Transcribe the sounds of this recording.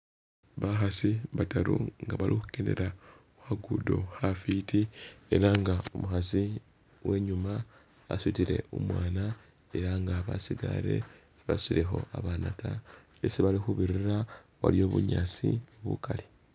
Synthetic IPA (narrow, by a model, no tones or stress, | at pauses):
βaxasiβataɾuŋɡaβalʔixukene̞̰ɾa | xwaɡudo̞̰hafitie̞ɾaŋɡaomuxasi | we̞ɲuma | a̰switiɾe̞̰umwaːna | eɾaŋɡaβasiɡa̰ɾe̞̰ | siβasiɾe̞xo̞̰aβanatajesiβalixuβiɾiɾa | wa̰lijo̞ːβṵɲat͡sioβṵkali